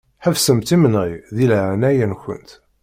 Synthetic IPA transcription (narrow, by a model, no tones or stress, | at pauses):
ħəvsəmt̪imnʁiðilʕnæjænçʷə̰nt̪